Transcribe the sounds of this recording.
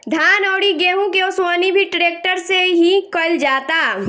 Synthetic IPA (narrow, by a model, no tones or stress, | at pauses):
d̪ʱjaːnɔːɽiɡeːɦũkeʊswaːnibʱiʈɾeːk̚ʈəɾseɦikəld͡ʒaːt̪aː